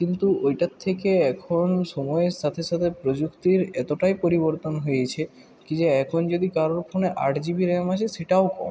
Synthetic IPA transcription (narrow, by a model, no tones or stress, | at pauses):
kint̪uojʈat̪ʰːekeɛkʰonʃɔmɔeɾsat̪ʰeʃat̪ʰepɾod͡ʑukt̪iɾɛt̪oʈajpoɾiboɾt̪onɦojet͡ɕʰe | kid͡ʑeɛkʰond͡ʒod̪ikaɾoɾpʰoneʔaʈd͡ʑibiɾemaʃʰesiʈaokɔ̰